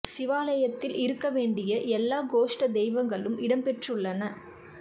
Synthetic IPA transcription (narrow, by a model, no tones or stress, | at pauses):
sɪʋaːlɐjɐt̪ːɪlɪɾɯkːɐʋeːɳɖɪjɐʔɛlːaːɡoːʂʈɐd̪ɛɪʋɐŋɡɐɭɯmʔɪɽɐmpɛʈrɯɭːɐnɐ